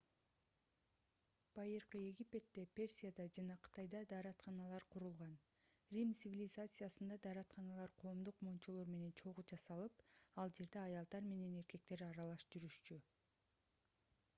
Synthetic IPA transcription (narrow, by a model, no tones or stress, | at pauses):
b̥ɑjɯɾqɯe̞ɡʲipʲe̞t̪ːe̞pʲe̞rsʲijad̪ɑd͡ʒɑnɑqʰɯ̥t̪ɑjd̪ɑd̪ɑːɾɑt̪χɑnɑlˠɑɾqʰuɾulˠʁɑn | rʲimt̪sɨvʲilʲɪzat̪sɨjasɯnd̪ɑd̪ɑɾɑt̪χɑnɑlˠɑɾqʰo̞ːmd̪uqmont͡ʃolˠo̞ɾme̞ne̞nt͡ʃʰo̞ʁud͡ʒɑsɑlˠɯpɑlˠd͡ʒe̞ɾd̪e̞ɑjɑlˠd̪ɑɾme̞ne̞ne̞ɾke̞k̚t̪e̞ɾɑɾɑlˠɑʃd͡ʒyɾyʃt͡ʃy